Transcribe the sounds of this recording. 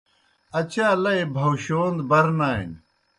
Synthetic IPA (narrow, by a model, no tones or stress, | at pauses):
ɐt͡ɕaːlɐibʱɐwɕoːnd̪bɐɾnaːḭn